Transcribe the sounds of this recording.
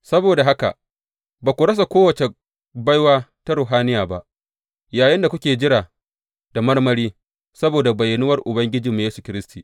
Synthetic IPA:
sɐ˦boː˨da˨ɦa˦ka̰˨ | baː˨kʷu˨ɽɐ˦s̬a˨kʷoː˦wɐ˨t͡ʃe˨ | bɐ˦jwaː˦ta˦ɾʊ˨ɦaː˦nɪ˦jaː˨ba˦ʔ | jaː˨jɪ˦nda˨kʷʊ˦kʲeː˨d͡ʒɪ˦ɽaː˨ | d̥a˨mɐ˦rmɐ˦ɾiː˦ | sɐ˦boː˨da˨bɐ˨jːɐ˨nʊ˦wɐ˦rʔʊ˨bɐ˦ŋɡʲɪ˦d͡ʒiː˨mu˨jeː˦su̥˨kʲɪ˦ɾɪ˦stiː˨

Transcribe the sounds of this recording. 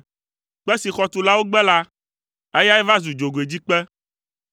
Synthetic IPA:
k͡pɛ˦si˨xɔ˨t̪u˨la˦wo˦ɡ͡bɛ˦la˦ | ɛ˦ja˦ɛ˦va˦zu˨d͡ʒo˨ɡe˨d͡ʑi˦k͡pɛ˦

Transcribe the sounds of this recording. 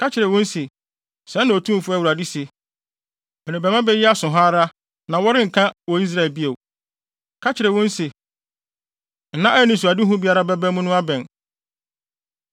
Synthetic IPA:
kʰa˦t͡ɕʰɪ˨ɾɛ˨wʊ̃˦n̩˦se˨ | sɛ̃˨˦nã˨o˨tʰũ˦m˨fʊ˦a˦˨u˨ɾa˨dɪ˦se˨ | ɛ̃˨nɪ̃˨bɛ˨mã˦bɛ˦jɛ˦a˦sʊ̃˨ɦa˦ɾa˦ | nã˨wɔ˦ɾɪ̃˦ŋ̩˨kʰã˦wɔ˨i˦s̬ɾa˦˨lbi˦e˨w | kʰa˦t͡ɕʰɪ˨ɾɛ˨wʊ̃˦n̩˦se˨ | n̩˨nːã˦ʔɛ˦nɪ̃˨s̬u˨a˨dɪ˦ɦʊ̃˦bi˦a˦ɾa˦bɛ˦bɛ˦mʊ̃˦nʊ̃˦a˦bɛ̃˨n

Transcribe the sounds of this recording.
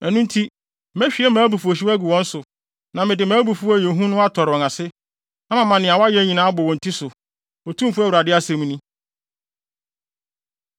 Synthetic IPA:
ɛ˨nũ˦n̩˦tʰi˦ | mɛ˦ɕᶣi˨˦ɛ˦mãː˨˦bu˨fu˨o˨ɕ̬i˦æ˦ɡu˨wɔ̃˦n̩˦sʊ˨ | nã˨mɪ̃˨dɪ˨mãː˨˦bu˨fu˦æ˦je˨ɦũ˦nʊ̃˦a˦tʰɔ˨ɾɪ˨ɔ̃˨ŋã˨sɪ˦ | ã˦mã˨mã˨nɪ̃˨a˨wa˦jɛ˦ɲĩ˨nã˦bɔ˨wɔ̃˨n̩˨tʰi˦sʊ˨ | ɔ˨tʰũ˦mfu˦æ˦wu˨ɾa˨dɪ˦a˦sɛ˦m̃˨˦nĩ˦

